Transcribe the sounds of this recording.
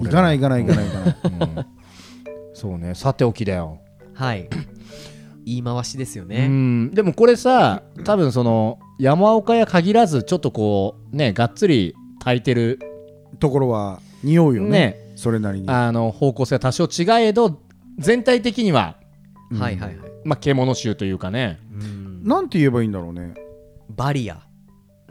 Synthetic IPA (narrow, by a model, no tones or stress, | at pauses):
ikanaikanaikanaikanɯ | so̞ːne̞sat̪ːe̞o̞kʲid̪ajo̞̰ | hai | iːmaβaɕid̪e̞sɨjo̞neɯ̟̃d̪e̞mo̞ko̞ɾe̞sat̪aβɯ̟̃ɰ̃s̬o̞no̞ | jamaokajakaɡʲiɾazɨt͡ɕo̞t̪ːo̞ko̞ː | ne̞ɡatt͡sɨɾʲi | t̪ʰait̪e̞ɾɯ̟ | t̪o̞ko̞ɾo̞βa | ɲ̟ijo̞jone̞so̞ɾe̞naɾʲiɲ̟iano̞ho̞ːko̞ːseat̪aɕoːt͡ɕiɡae̞d̪o̞ | d͡zẽ̞nt̪ait̪e̞kʲiɲ̟iβa̰ | haiɦaihaimake̞ːmo̞no̞ɕɨːt̪o̞jɯ̟ːkane̞ | nãnt̪e̞ie̞baĩːnd̪aɾo̞ːnḛbaɾʲia̰